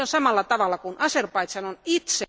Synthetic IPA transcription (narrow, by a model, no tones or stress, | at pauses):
onsɑmɑlːɑt̪ɑʋɑlːˑɑkunɑserpɑit̪sɑnonit̪se